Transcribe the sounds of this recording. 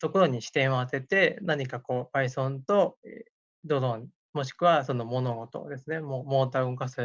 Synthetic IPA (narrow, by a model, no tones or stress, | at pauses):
t̪o̞ko̞ɾo̞ɲ̟iɕi̥t̪ẽ̞ɰ̃oat̪e̞t̪e̞naɲ̟ikako̞ːbaisõ̞nt̪o̞e | d̪o̞d̪õɲ | mo̞ɕ̬i̥kɯ̟βaso̞nomo̞no̞ɡo̞t̪o̞̰d̪e̞sɨne̞moːmo̞ːt̪aɯŋkasɨ